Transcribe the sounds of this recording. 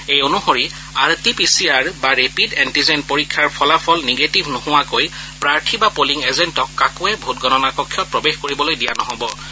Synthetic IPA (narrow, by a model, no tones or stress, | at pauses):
ejonuhoɹi | aɹtipisiaɹbaɹepidɛntizɛn̚poɹikʰːjaɹpʰɔlapʰɔlneɡetibʱnohʊwakojpɹaɹtʰibapoliŋɛzɛntɔkːakuɛbʱutɡɔnɔnakɔkʰːjɔt̚pɹɔbexkoɹibɔlojdijanɔɦɔbɔ